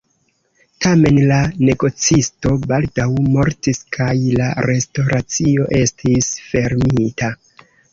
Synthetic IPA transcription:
tame̞nlane̞ɡo̞t͡sisto̞baldawmo̞ɾtiskʰajlaɾe̞sto̞ɾat͡sio̞ʔe̞stʰisfe̞ɾmita

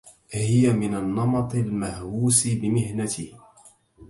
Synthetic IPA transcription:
hɪjamɪnanːɑmɑt̪ˤɪlmahwuːsɪbɪmɪhnat̪ʰɪh

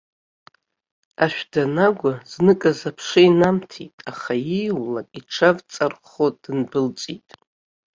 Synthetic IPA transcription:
aʃᶣdanaɡʷaz̥nɨkʼazapʰʂɨjnamtʰitʼaχajijwlakʼiʈ͡ʂʰavt͡sʼarχod̥ɨnbɨlt͡sʼitʼ

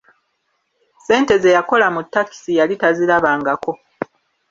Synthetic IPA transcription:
se̞ːnte̞ze̞jako̞lamutːaki̥sijalitazilaβaːŋɡako̞

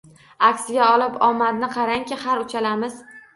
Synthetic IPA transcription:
akʲsɪɡʲaɒlˠɪpɒmad̪nɪqʰɑɾaŋkʲɪhaɾʊt͡ʃʰalamɪz̥

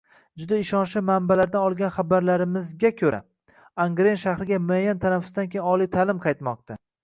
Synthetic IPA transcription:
d͡ʒʊd̪aɪʃɒnʃɪmambalaɾd̪anɒlˠɡʲanχabaɾlaɾɪmɪzɡʲakʲʰɵɾa̰ | aŋɡɾenʃahɾɪɡʲamʊajːant̪ʰanafʊ̥sd̪ankʲʰejnɒlˠijt̪ʰalɪmqʰɑjt̪mɒq̚t̪ʰa

